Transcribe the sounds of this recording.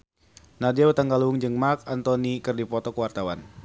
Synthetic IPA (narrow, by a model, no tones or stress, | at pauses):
nadiawut̪aŋɡaluuŋd͡ʒɨŋmakant̪ɔnikɨrdipɔt̪ɔkəwart̪awan